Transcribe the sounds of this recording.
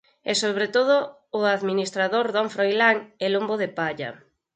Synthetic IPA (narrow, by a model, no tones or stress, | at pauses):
ɛsoβɾet̪oð̞ʊː | aðminist̪ɾaðoɾðɔɱfɾojlaŋelomboðepaʎɐ̰